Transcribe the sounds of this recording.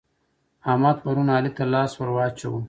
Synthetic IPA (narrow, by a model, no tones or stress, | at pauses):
ɑːmɑːd̪pɐɾunɑːlit̪alɑːswaɾwɑːt͡ʃawu